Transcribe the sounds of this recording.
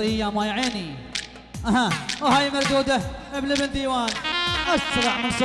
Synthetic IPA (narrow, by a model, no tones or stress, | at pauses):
ɪjamajʕeːni | ʔahawɦaːjmɑɾd̪uːd̪aʔɪbnɪbɪnd̪iːwaːnʔasɾˤɑʕmɪns